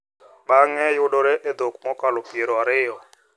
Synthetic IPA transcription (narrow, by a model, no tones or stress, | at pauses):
ɓaŋɛjudɔɾɛʔɛd̪okʼumɔkʼalɔpieɾɔaɾɪːɔ